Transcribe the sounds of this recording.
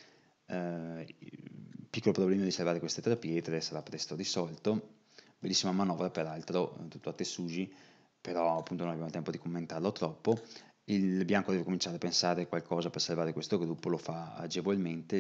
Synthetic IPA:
pikːolopɾoblɛːmad̪isalvaːɾekwest̪et̪ɾapiɛet̪ɾesaɾapːɾɛst̪oɾisɔlt̪o | belːisːimamanɔvɾapeɾalt̪ɾot̪ut̪ːoat̪ːesuːd͡ʒi | peɾɔapːunt̪ononabjamot̪ɛmpod̪ikomːent̪arlot̪ɾɔpːo | ilbjaŋkod̪ɛvekomint͡ʃaːɾeapensaːɾekwalkʰɔːzapersalvaːɾekwest̪oɡɾupːolofaa̰d͡ʒevolment̪e

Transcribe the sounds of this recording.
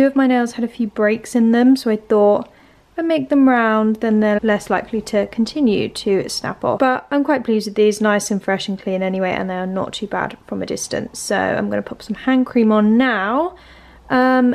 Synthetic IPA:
ʉəvmaɪneɪlˠz̥əɾəfjʉːbɹeɪksɪ̃nðə̃msoʊaɪθɔˑt | aɪmeɪk̚ðə̃mɹãʊ̃nðə̃nðəlɛslaɪkʰlitʰəkʰə̃ntʰɪ̃njʉ̰tʰəsna̰pɔ̰fb̥ʌtãɪ̃mkʰw̥aɪʔ̚b̥ʰl̥izdwəʔðiznaɪsə̃nfɹɛʃə̃nkʰl̥ĩːnɛniweɪʔə̰̃nðeɪənə̰tʰʉːba̰d̥fɹə̃mədɪ̰stə̰̃nsoʊã̰ɪ̃mɡʌ̃nəpʰʊ̥psʌ̃mhæ̃ŋkʰɹ̥ĩːmə̃nːaʊ | ʔʌ̃m

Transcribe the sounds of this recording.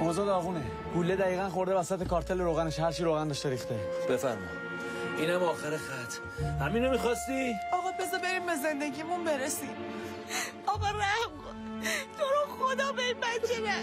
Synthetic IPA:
ɒːzɒːd̪ɒɣuːne | bulːed̪æɣiːɣænxo̞ɾd̪evæsæt̪ʰekʰɒːɾt̪ʰeleɾoːɣæneʃhæɾt͡ʃʰiːɾoːɣænd̪ɒʃt̪eɾiːxt̪eb̥efæ̰ɾmɒ̰j | iːnhæmɒːxeɾexæt̪ʰ | hæminomixɒst̪iɒɣɒbe̞zɒbe̞ɾiːmbezend̪eɡiːmunbeɾesim | ɒɣɒɾæb | t̪ʰoɾoxod̪ɒːbeinbænd͡ʒeɾe

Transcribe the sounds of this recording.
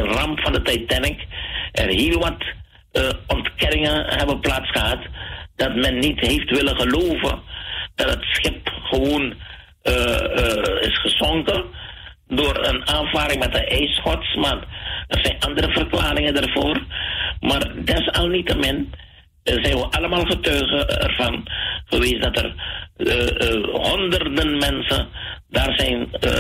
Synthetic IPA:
ərɑmpfɑndətɛjtɛnɪkʔərɦiːlˠʋɑt | ɔntkɛnɪŋəɦɛbənplaːtsχəɦɑtd̥ɑtmɛnːitɦeftʋɪləχəloːvə̰nd̥ɑtɦətsχɪpχəʋoːn | ɪ̰sχəzɔŋkə | doːrə̰naːnvaːɾɪŋmɛt̚dəʔɛjsχɔtsmaːrərzɛjnʔɑndəɾəvərklaːrɪŋəndarvoːrmaːrdɛsɑlˠnitəmɪn | zɛjnʋəʔɑləmaːlˠχətœɥχəɛ̰rv̥ɑnχəʋeːzədɑtə̰r | ɦɔndərdənmɛnsədaːrzɛjnə̰

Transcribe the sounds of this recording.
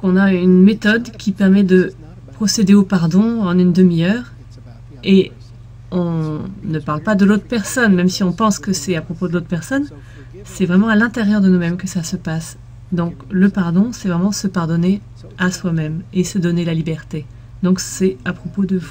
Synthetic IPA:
kɔ̃naynmet̪ɔd̪kʲipɛʁmɛd̪ə | pχɔsed̪eopaʁd̪ɔ̃ɑ̃nynd̪əmijœːʁ | e | ɔ̃nəpaʁlpad̪əlot̪χpɛʁsɔnmɛmsiɔ̃pɑ̃skəsɛt̪apχɔpod̪əlot̪̚χpɛʁsɔn | sɛvʁɛmɑ̃alɛ̃t̪eʁjœʁd̪ənumɛmkəsasəpas | d̪ɔ̃kləpaʁd̪ɔ̃sɛvʁɛmɑ̃səpaʁd̪ɔne | aswamɛmesəd̪ɔnelalibɛʁt̪e | d̪ɔ̃ksɛapχɔpod̪əvu

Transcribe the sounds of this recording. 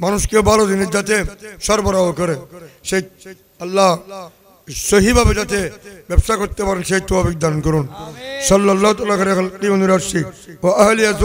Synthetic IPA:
manuʃkebalod͡ʒinid͡ʒat̪eʃɔɾbɔɾaokɔɾeʃej | ɐlːa | soɦibʱabed͡ʒat̪ebɛbʃakoɾt̪epaɾenʃejt̪obafik̚d̪ankɔɾunsɐlːlːaɦot̪alakɐɾexalqioniɾaɾʃiwaɐɦlijaz

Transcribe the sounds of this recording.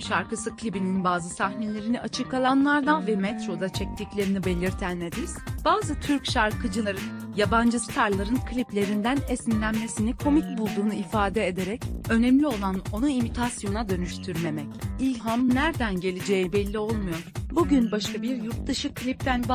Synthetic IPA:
ʃaɾkɯsɯklʲibininbaːzɯsaxne̞lʲe̞ɾiniat͡ʃʰɯkʰalˠanlˠaɾd̪anvɛmɛt̪ɾo̞d̪at͡ʃʰɛc̚t̪ʰiclʲe̞ɾinibe̞lʲiɾt̪ʰænːed̪iz̥b̥aːzɯt̪ʰyɾcʃaɾkʰɯd͡ʒɯaɾɯn | jaband͡ʒɯsɯ̥t̪ʰaɾlˠaɾɯnkʰlʲiplʲe̞ɾind̪ænɛsinlʲænme̞sinikʰo̞mic̚bulˠd̪uːnuifaːd̪ɛed̪eɾɛcø̞nɛmlʲio̞lˠano̞nuimit̪ʰasjo̞nad̪ø̞nyʃt̪ʰyɾmemɛcilʲɦamnæɾd̪ænɟe̞lʲed͡ʒejibɛlʲːio̞lˠmujoɾ̥buɟynbaʃkabiɾjuɾt̪̚d̪aʃɯkʰːlʲip̚t̪ʰænb

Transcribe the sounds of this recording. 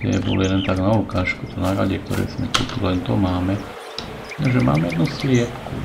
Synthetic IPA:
t̪ɛ̰bɔ̰liɛlɛnt̪aɡnaɔkaːʃkut̪ɔnaɾa̰ɟɛk̚t̪ɔ̰ɾɛ̰ːsmɛt̪ut̪ulɛnt̪ɔmaːmɛ | nɛʒɛma̰ːmɛjɛd̪nuslɪɛpkṵ

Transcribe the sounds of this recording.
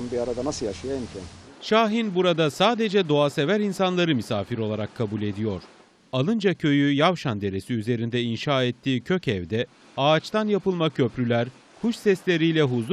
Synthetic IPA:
nbiaɾad̪anasɯlˠjaʃɯjaimcʰɛnʃaːɦinbuɾad̪asaːd̪e̞d͡ʒɛd̪o̞ase̞væɾinsanlˠaɾɯmysaːfiɾo̞lˠaɾakʰːabulʲe̞d̪ijo̞ɾ̥ | alˠɯnd͡ʒacʰø̞jyjavʃand̪e̞ɾe̞siyze̞ɾind̪ɛinʃaːɛt̪ʰːiːcʰø̞cɛvd̪ɛ | aːt͡ʃt̪anjapɯlˠmacʰø̞pɾylʲæɾ | kʰuʃsɛslʲe̞ɾijlʲɛɦuz

